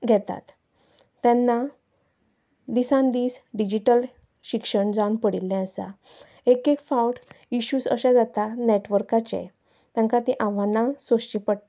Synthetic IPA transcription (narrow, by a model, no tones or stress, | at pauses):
ɡʱɛt̪a̰t̪ː | ɛ̃nːa | d̪isãnd̪iːsɖid͡ʑiʈəl | ɕikʂəɳd͡zãnpəɽilːɛ̃əsa̰ | ekekfawʈ | iɕusə̰ɕad͡zat̪aneʈʋəɾkat͡ɕḛ̃ | t̪ɛ̃ŋkat̪ĩʔãʋanãsoɕt͡ɕĩpəɽt̪